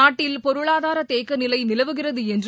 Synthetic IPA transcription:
aːʈːɪlpɔɾɯɭaːðaːɾɐt̪eːkːɐnɪlɐɪnɪlɐʋɯɣɪrɐðɯɛndr

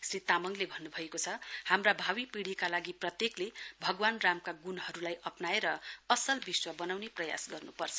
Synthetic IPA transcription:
srit̪amʌŋlebʱʌnːubʱʌekot͡sʰʌhamrabʱawipiɽ̤ikalaɡiprʌt̪jeklebʱʌɡwanramkaɡunɦʌɾulajʔʌpnaeɾʌʌsʌlbiswʌbʌnawneprʌja̰sɡʌrnupʌrt͡sʰʌ̥

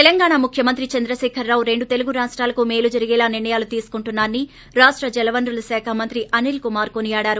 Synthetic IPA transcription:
t̪elɐŋɡaːɳaːmukʰjɐmɐnt̪ɾit͡ʃɐnd̪ɾɐʃɛːkʰɐɾːaːwuɾe̞ɳɖut̪eluɡuɾaːʂʈɾaːlɐkumeːlud͡ʒɐɾiɡɛːlaːniɾɳɐjaːlut̪iːsu̥kuɳʈunːaːnːi | ɾaːʂʈɾɐd͡ʒɛlɐʋɐnɾulɐsɛːkʰɐmɐnt̪ɾiʔɐnilkumaːɾkonijaːɽaːɾu

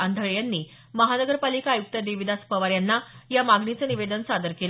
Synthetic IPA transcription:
and̪ʱəɭjanːiː | məɦanəɡəɾpalikaːjuk̚t̪əd̪eʋid̪aspəʋaɾjanːajamaɡɳit͡səniʋed̪ənsad̪əɾkel

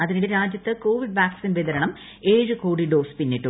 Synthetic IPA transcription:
ɐðinileɾaːd͡ʑjɐt̪ːɨko̞ːʋiɖ̚baːksinʋed̪ɐɾɐɳɐm | e̞ːɻɨkoːɽiɖo̞ːspinːiʈːu

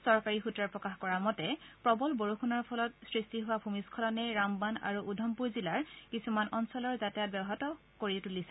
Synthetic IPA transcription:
sɔɹkaɹixutɹaɹpɹɔkaxkɔɹamɔtɛpɹɔbɔlboɹuxunaɹpʰɔlɔtsɹistiɦʊwabʱumiskʰɔlɔnɛɹambana̰ɹuʔudʱɔmpuɹzilaɹkisumanɔnsɔlɔɹzatɛjat̚bɛbɔɦatɔ | koɹitulisɛ

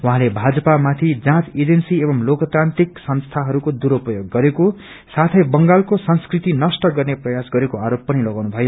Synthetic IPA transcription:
wuɦãlebʱad͡zʌpamat̪ʰid͡zãt͡sid͡zensiebʌmlokʌt̪ant̪iksʌnst̪ʰaɦʌɾukod̪uɾopʌjoɡːʌɾeko | sat̪ʰʌjbʌŋɡalkosʌnskrit̪inʌsʈʌɡʌrneprʌjasɡʌɾekoaɾopːʌnilʌɡawnubʱʌjo

